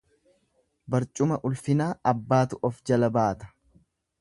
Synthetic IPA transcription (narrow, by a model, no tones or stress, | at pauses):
bɐɾt͡ʃʼʊmɐʔʊlfɪnaːɐbːaːt̪ʊʔɔfd͡ʒɐlɐbaːt̪ɐ̥